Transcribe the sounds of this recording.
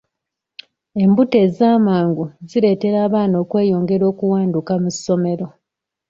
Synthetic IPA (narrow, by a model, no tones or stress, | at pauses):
e̞mbute̞ːzaːmaːŋɡuziɾe̞ːte̞ɾaːβaːno̞ːkwe̞ːjo̞ːŋɡe̞ɾo̞ːkuwaːndukamusːo̞me̞ɾo̞